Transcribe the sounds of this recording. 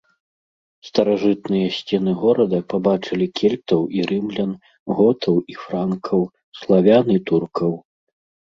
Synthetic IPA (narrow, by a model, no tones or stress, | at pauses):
st̪ɐɾaʐɨt̪̚nɨjɐsʲt͡sʲɛn̪ɨɣɔɾɐd̪ɐpabat͡ʂɨlʲikʲʰɛlʲt̪ɐwiɾɨmlʲɐn | ɣɔt̪ʰɐwifɾankʰɐw | slˠavʲanɨt̪urkʰɐw